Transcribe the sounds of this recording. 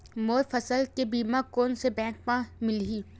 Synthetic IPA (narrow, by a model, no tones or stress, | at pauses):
moːɾfɐsəlkebiːmakoːnsebɛ̃ːk̚pãmɪlɦiː